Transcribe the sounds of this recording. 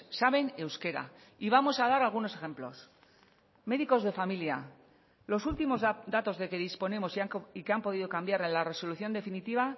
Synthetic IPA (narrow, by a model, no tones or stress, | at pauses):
saβe̞ne̞wske̞ɾa̰ | iβamo̞saðaɾalɣunose̞xe̞mplo̞̰s | me̞ðiko̞zðe̞familja | lo̞sult̪imo̞zd̪at̪o̞zðe̞ke̞ð̞ispo̞nemo̞sikeampo̞ðiðo̞kambjaɾe̞nlare̞so̞luθjo̞nd̪e̞finit̪iβ̞a